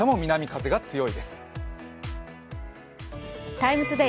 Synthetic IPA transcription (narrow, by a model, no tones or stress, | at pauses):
emomʲinamʲikazeɡat͡sɨjo̞id̪esɨ̥ | t̪aimɯ̟t͡sɨd̪e